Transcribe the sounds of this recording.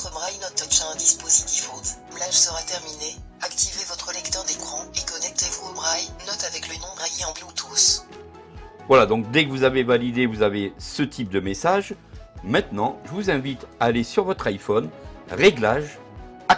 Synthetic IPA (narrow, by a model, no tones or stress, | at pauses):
t̪χəbʁajnɔt̪ɔʃɛɛ̃d̪ispozit̪ifot̪mlaʒsəʁat̪ɛʁmine | akt̪ivevɔt̪χəlɛkt̪œʁd̪ekχɑ̃ekɔnɛk̚t̪evuobʁajnɔt̪avɛklənɔ̃bʁajeɑ̃blot̪ʰus | vwalad̪ɔ̃k̚d̪ɛkəvuzavevalid̪evuzavesət̪ʰip̚d̪əmesaʒ | mɛ̃t̪nɑ̃ʒəvuzɛ̃vit̪aːlesyʁvɔt̪χajfɔnʁeɡlaʒ | a